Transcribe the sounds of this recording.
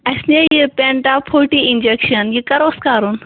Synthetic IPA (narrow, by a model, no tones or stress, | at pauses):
ɐsnejepeɳʈapʰoːʈiind͡ʒekʃɐnjikɐɾoskaːɾun